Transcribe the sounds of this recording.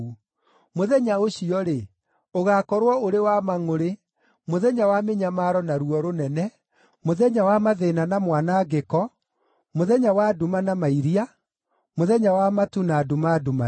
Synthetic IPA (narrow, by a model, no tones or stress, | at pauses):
moðɛɲaoɕiɔɾe | oɣaːkɔɾwɔoɾewamaŋoɾe | moðɛɲawameɲamaɾɔnaɾuɔɾonɛnɛ | moðɛɲawamaðenanamwanaɡekɔ | moðɛɲawadumanamaiɾia | moðɛɲawamatunaːdumaduma